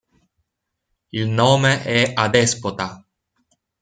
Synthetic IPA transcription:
ilnoːmeʔɛad̪espot̪a

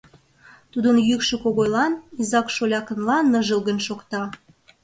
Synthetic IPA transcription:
t̪ud̪ənjykʃĕkoɣojlɑnizɑkʃolʲɑkə̆nlɑnːəʒə̆lɣənʃokt̪ɑ

